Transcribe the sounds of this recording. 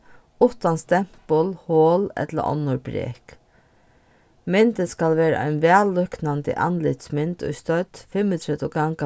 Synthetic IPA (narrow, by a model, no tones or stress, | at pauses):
ʊt̪ɑnst̪ɛmpɔlhoːlɛ̰t̪lə̰ʔɔ̰nːʊɾbɾḛːk | mɪnt̪əskɑlʋeːɾə̰ʔæ̰ɪnʋæːlːœknɑnd̪ə̰ʔɑ̰nlɪt̪smɪnt̪ʰɔ̰st̪œd̪̥fɛmət̪ʰɾɛd̪ɔɡɑŋɡɑ